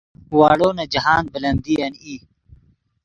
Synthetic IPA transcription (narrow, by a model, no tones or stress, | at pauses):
waːɽoːnɐd͡ʒɐɦaːnbɪlɐnd̪iːɐniː